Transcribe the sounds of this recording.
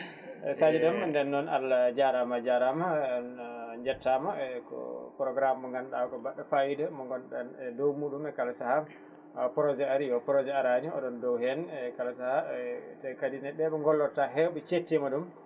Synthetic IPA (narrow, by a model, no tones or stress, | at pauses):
ɛsad͡ʒɛɗɔmndɛnːɔna̰lːad͡ʒaɾamad͡ʒaɾama | ɲd͡ʒɛtʰːamakɔ̰pɾɔɡɾamːɔŋɡanɗakɔbaɗːafajidamɔŋɡɔnɗanɛdɔwmuɗumɛkalasaha | pɾɔd͡ʒɛaɾijɔpɾɔd͡ʒɛaɾaɲiɔ̰ɗɔndɔwhɛnɛkalasahatɛkadinɛɓːɛɓɛŋɡɔlːɔtːaɦɛwɓɛt͡ʃetːimaɗum